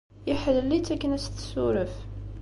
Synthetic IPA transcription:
jəħəðəlːit̪ːækːənæst̪suɾəf

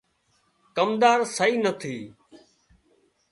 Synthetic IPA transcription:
kəmd̪aːɾsəiːnət̪ʰiː

